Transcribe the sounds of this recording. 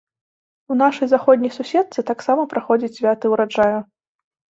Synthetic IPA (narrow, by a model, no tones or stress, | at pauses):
un̪aʂɐjzaxɔd̪ʲnʲijsusʲɛt̪̚t̪sɨt̪aksamɐpɾaxɔd͡zʲit͡sʲsʲvʲat̪ɨuɾad͡ʐaju